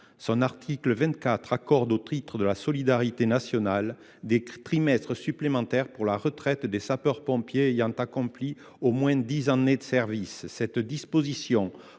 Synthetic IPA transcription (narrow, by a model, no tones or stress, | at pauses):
sɔ̃naʁt̪ʰikləvɛ̃t̪kat̪χakɔʁd̪ot̪χit̪χəd̪əlasɔlid̪aʁit̪enasjɔnal | d̪et̪χimɛst̪χəsyplemɑ̃t̪ɛʁpuʁlaʁət̪χɛt̪d̪esapœʁpɔ̃pjeejɑ̃t̪akɔ̃pli | omwɛ̃d̪izɑ̃ned̪əsɛʁvisːɛt̪d̪ispozisjɔ̃